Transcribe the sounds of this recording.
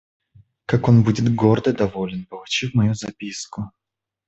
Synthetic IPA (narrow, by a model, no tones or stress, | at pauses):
kakonbudʲɪt̪ɡord̪əd̪ɐvolʲɪnpəlˠʊt͡ɕifmɐjuzɐpʲiskʊ